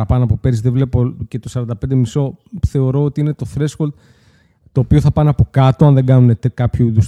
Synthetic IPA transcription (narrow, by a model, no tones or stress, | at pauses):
ɐpɐnoɐpo̞pe̞ɾizðevle̞po̞cet̪osɐɾɐnd̪ɐpe̞nd̪emiso̞θe̞o̞ɾo̞ot̪iine̞t̪o̞θɾe̞sxold̪̚ | t̪o̞ːpio̞θɐpɐnɐpo̞kɐt̪o̞ɐnðe̞ɡɐnunet̪kɐpçuiðus